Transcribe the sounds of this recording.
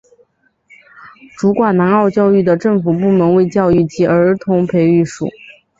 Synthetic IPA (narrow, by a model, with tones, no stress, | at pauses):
ʈ͡ʂu˧˥kwa˨˩na˧˥nɑ˥˧ʊt͡ɕjɑ˥˧ʊy˥˩d̪ə˩ʈ͡ʂɤ˥˩ŋfu˨˩pu˥˩mə˧˥nwe˥˧ɪt͡ɕjɑ˥˧ʊy˥˩t͡ɕʰi˧˥ʔə˞˧˥t̪ʰʊ˧˥ŋpʰe˧˥ɪy˥˩ʂṵ˨˩˦